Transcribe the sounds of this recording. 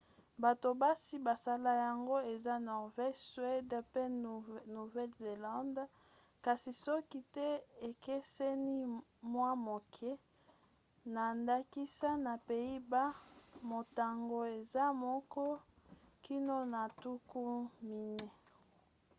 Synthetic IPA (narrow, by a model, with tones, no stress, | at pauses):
ba˨to˨ba˦si˦ba˨sa˦la˦ja˨ŋɡo˦e˨za˦nɔ˨ʁvɛ˦swe˦dpe˦nu˨vɛ˦lze˨la˦nd | ka˨si˨sɔ˦ki˦tɛ˦e˨ke˦sɛ˦ni˦mwa˦mo˨kʰɛ˦ | na˨nda˦ki˦sa˦na˨pe˨i˦ba˦mo˨ta˨ŋɡo˨e˨za˦mɔ˦kɔ˦ki˦no˦na˨tu˦ku˦mi˨nɛ˦